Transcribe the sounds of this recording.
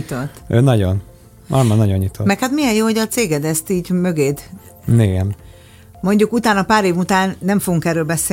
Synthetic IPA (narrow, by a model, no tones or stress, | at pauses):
it̪ot̪ːøːnɒɟon | ɒ̰ɾmɑnɒɟo̞ɲːit̪ʰomɛkhat̪mijɛnjoːho̞ɟɒt̪seːɡɛd̪ɛst̪iːɟmø̞ɡeːd̪ | eːɡɛm | mo̞ɲɟukut̪aːnɒpaːɾeːvut̪aːnːɛɱfoɡuŋkɛɾːøːlbɛseː